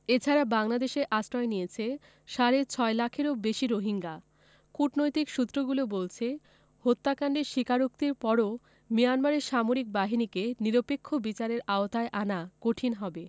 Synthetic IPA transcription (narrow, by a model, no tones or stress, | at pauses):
et͡ɕʰaɾabaŋlad̪eʃeʔasɾɔenijet͡ɕʰe | ʃaɾet͡ɕʰɔelakʰeɾobeʃiɾoɦiŋɡa | kuʈnojt̪ikʃut̪ːɾoɡulobolt͡ɕʰe | hot̪ːakaɳɖeɾʃikaɾuk̚t̪iɾpɔɾo | mijanmaɾeɾʃamoɾik̚baɦinikeniɾopekʰːobit͡ɕaɾeɾaot̪aeʔanakoʈʰinɦɔbe